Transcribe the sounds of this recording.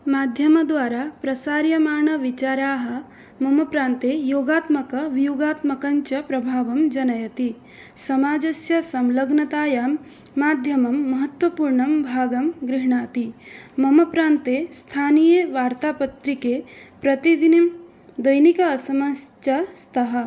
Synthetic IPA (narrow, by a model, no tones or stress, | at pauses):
maːd̪ʱjɐmɐd̪ʋaːɾaːpɾɐsaːɾjɐmaːɳɐʋit͡ʃaːɾaːɦɐ̆ | mɐmɐpɾaːnt̪eːjoːɡaːt̪mɐkɐʋijuːɡaːt̪mɐkɐɲt͡ʃɐpɾɐbʱaːʋɐmd͡ʒɐnɐjɐt̪i | sɐmaːd͡ʒɐsjɐsɐmlɐɡɳɐt̪aːjaːmː | aːd̪ʱjɐmɐmːɐɦɐt̪ʋɐpuːɾɳɐmbʱaːɡɐmɡɾɪɦɳaːt̪imɐmɐpɾaːnt̪eːst̪ʰaːnijeːʋaːɾt̪aːpɐt̪ɾikepɾɐt̪id̪inim | d̪ɐjnikɐːsɐmɐst͡ʃɐst̪ʰɐɦɐ̆